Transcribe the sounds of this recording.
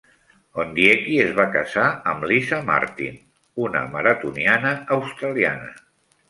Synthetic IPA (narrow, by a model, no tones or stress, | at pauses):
ond̪jekiezβakəzaəmlizama̰ɾt̪ḭn | unə̰məɾət̪unianəːwst̪ɾəlianə̰